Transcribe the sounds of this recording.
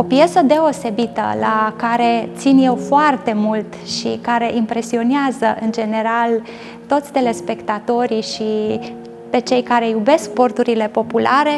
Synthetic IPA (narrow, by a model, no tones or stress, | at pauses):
o̞pije̞səd̪e̞o̞se̞bit̪ə̰lakaɾe̞t̪sinje̞wfoart̪e̞mult̪ʃḭkaɾe̞ʔimpɾe̞sio̞neazəʔɨnd͡ʒe̞ne̞ɾal | t̪o̞t̪sʲd̪e̞le̞spe̞kt̪at̪o̞ɾiʃi | pe̞t͡ʃe̞jkaɾe̞jube̞sk̚po̞rt̪uɾile̞po̞pulʔaɾe̞